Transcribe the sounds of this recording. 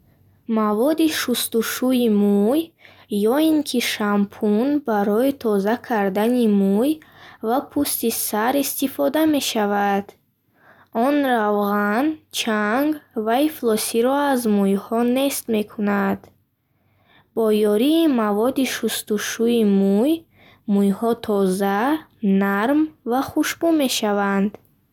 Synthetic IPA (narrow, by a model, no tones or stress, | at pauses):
mavɔd̪iʃust̪uʃuimujː | ɔiŋkʰiʃampʰunbaɾɔit̪ʰɔzakʰaɾd̪animujvapʰust̪isaɾist̪ifɔd̪ame̞ʃavad̪̥ | ɔnɾavʁant͡ʃʰaŋɡvaiflɔsiɾɔazmujhɔne̞st̪me̞kʰunad̪ | bɔjɔɾiːmavɔd̪iʃust̪uʃuimuj | mujhɔt̪ʰɔzanaɾmvaχuʃbume̞ʃavand̪